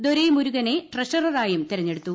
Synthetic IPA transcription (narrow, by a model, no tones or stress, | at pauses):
d̪oɾejmuɾuɣɐne̞ʈrɐʂɐrɐraːjɐmt̪iɾɐɲːe̞ɽut̪ːu